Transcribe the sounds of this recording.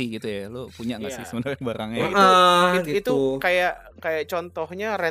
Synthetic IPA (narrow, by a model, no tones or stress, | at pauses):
iɡit̪ujalopuɲaʔŋasɪhsəbənaɾrabaɾaŋəʔəɡiit̪uukajaʔ | kajaʔt͡ʃɔnt̪ɔhɲaɾɛ